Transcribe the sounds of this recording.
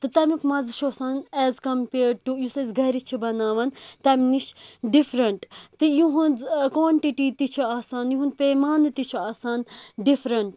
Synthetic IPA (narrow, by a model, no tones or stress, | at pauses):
t̪ɨt̪ɐmikmɐzʃoːsaːnɛːzkɐmpeːɾɖ̚ʈujusɐzɡɐɾit͡ʃʰibɐnaːʋɐnt̪ɐmniʃɖifɾɐɳʈt̪ɨjuɦũnd͡zkʋoːɳʈiʈiːt̪it͡ʃʰuaːsaːnjuɦund̪peːmaːnɨt̪it͡ʃʰuaːsaːnɖifɾɐɳʈ